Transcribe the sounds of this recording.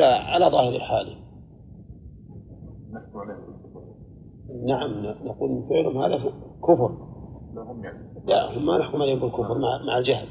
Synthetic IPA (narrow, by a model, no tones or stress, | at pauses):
laʕalaðˤɑːhɪɾɪlħaːla | naalkʊ | naʕamnnaquːlfeːlhʊmha̰ːðakʊfɾ | lahʊmːanaħkʊmʕaleːhʊmbɪlkʊfɾˤmaʕmaʕald͡ʒahl